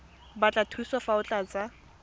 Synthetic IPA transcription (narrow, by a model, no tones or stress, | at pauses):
bat͡ɬʼatʰuiswafaʊt͡ɬʼat͡sʼa